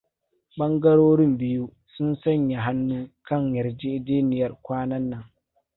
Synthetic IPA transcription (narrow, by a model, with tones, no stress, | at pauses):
ɓɐ˦ŋɡɐ˦ɽoː˦ɽɪ˦mbɪ˦ju˦ | sʊ˦nsɐ˦ɲja˨ɦa˦nːuː˦kɐ˦˨ɲjɐ˨ɾd͡ʒɪ˦ʔdeː˦nɪ˨jɐ˨rkʷaː˦nɐ˦nːɐ˦˨ŋ